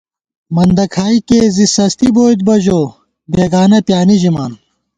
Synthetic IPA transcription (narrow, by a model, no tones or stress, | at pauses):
mɐnd̪ɐkʰaːikeːzisɐst̪iboːt̪̚bɐʑoː | beːɡaːnɐpjaːnid͡ʑimaːn